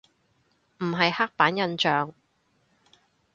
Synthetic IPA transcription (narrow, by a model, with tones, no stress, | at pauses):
m̩˨˩ɦɐ˨jhaː˥k̚paː˨˥njɐ˨nt͡ʃœː˨ŋ